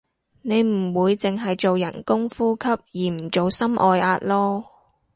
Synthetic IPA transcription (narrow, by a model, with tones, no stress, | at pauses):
ne˨˧jm̩˨˩wuː˨˧jt͡sɪ˨ŋɦɐ˨jt͡so˨wjɐ˨˩nkʊ˥ŋfuː˥kʰɐ˥p̚jiː˨˩m̩˨˩t͡ʃo˨wsɐ˥mʔɔː˧jaː˧t̚lɔː˥